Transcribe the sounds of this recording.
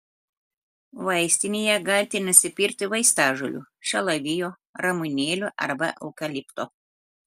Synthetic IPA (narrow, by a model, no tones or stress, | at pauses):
ʋɐɪsʲt̪ʲɪnʲejɛɡɐlʲt̪ʲɪnʊsʲɪpʲɪɾʲkt̪ʲɪʋɐɪst̪ɑːʒʊlʲṵːʃʲɛlˠɐʋʲɪjoː | ɾɐmʊnʲeːlʲuʔɐ̰ɾbɐ̰ʔɐ̰ʊkʲɐlʲipt̪oː